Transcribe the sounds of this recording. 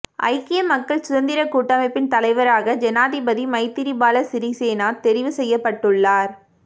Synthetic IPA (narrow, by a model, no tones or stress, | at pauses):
ʔɐ̰ɪkːɪjɐmɐkːɐɭsʊðɐnd̪ɪɾɐkuːʈːamɐɪpːɪnt̪ɐlɐɪʋɐɾaːɣɐd͡ʒɛnaːðɪbɐðimɐɪt̪ːɪɾibaːlɐsɪɾiseːnaːlt̪ɛɾɪʋɯsɛjːɐpːɐʈːɯɭːaːɾ